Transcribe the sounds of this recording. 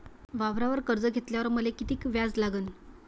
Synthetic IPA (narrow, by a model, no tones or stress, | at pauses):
ʋaʋɾaʋəɾkəɾd͡zəɡʱet̪ljaʋəɾməlekit̪iːkʋjad͡zlaɡən